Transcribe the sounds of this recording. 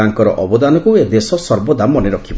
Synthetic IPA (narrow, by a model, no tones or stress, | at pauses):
aŋkɔɾɔ̰ʔɔbɔd̪anɔkued̪esɔsɔɾbɔd̪amɔneɾɔkʰib